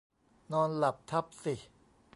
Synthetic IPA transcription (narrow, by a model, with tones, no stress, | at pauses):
nɔː˧nla˨˩p̚t̪ʰa˦˥p̚si˨˩